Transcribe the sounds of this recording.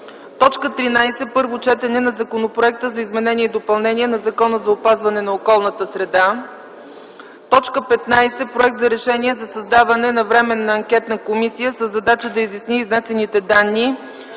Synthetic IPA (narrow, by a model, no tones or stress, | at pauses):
t̪ɔt͡ʃkət̪ɾinajsɛpɤɾvot͡ʃɛt̪ɛnɛnɐzɐkonopɾoɛk̚t̪əzɐizmɛnɛniɛid̪opɐlˠnɛniɛnɐzɐkɔnəzɐopazvɐnɛnɐokɔlˠnət̪əsɾɛd̪a | t̪ɔt͡ʃkəpɛt̪najsɛpɾoɛk̚t̪zɐɾɛʃɛniɛzɐsɐzd̪avɐnɛnɐvɾɛmɛnːɐːŋkʲɛt̪nəkomisijəsəzːɐd̪at͡ʃəd̪ɐizisniːznɛsɛnit̪ɛd̪anːi